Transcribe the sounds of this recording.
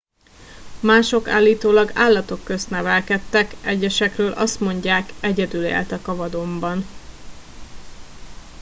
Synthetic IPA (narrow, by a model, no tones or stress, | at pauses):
maːʃo̞ka̰ːlːiːt̪oːlɒɡaːlːɒt̪o̞kːø̞st̪nɛvɛlkɛt̪ːɛkɛɟːɛʃɛkrøːlʔɒ̰st̪mo̞ɲɟaːkɛɟɛd̪ylḛːlt̪ɛkɒvɒd̪o̞mbɒn